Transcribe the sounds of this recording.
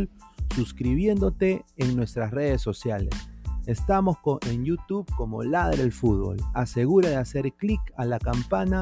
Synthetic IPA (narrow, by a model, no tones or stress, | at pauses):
lsuskɾiβje̞nd̪o̞t̪e̞ːŋnwe̞st̪ɾasre̞ð̞e̞sːo̞sjalḛse̞st̪amo̞skoeŋjut̪uβko̞mo̞̰laðeɾðelfut̪̚bo̞̰lase̞ɣuɾaðease̞ɾklikalakampana